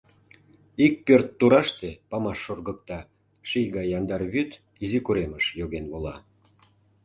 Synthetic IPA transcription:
ik̚pørt̪ːuɾɑʃt̪epɑmɑʃːorɣək̚t̪ɑ | ʃijɣɑjːɑnd̪ɑrβyt̪ | izikuɾeməʃjoɣenβolɑ

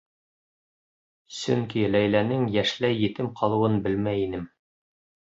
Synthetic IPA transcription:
sɵŋkilæjlænɘŋjæʃlæjjɘ̆t̪ɘmqʰɑlˠɤ̆wɤnbɘlmæjinɘm

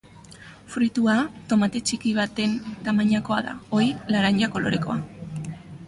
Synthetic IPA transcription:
fɾit̪uat̪o̞mat̪e̞t͡ʃikiβ̞at̪e̞nt̪amaɲako̞aða̰o̞ɾilaɾaɲʎako̞lo̞̰ɾe̞ko̞̰a

